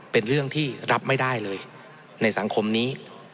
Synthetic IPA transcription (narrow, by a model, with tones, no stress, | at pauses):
pe˧nɾɯ˥˩əŋt̪ʰiː˥˩ɾa˦˥p̚ma˥˩jda˥˩jlɤː˧j | na˧jsa˩˦ŋkʰo˧mniː˦˥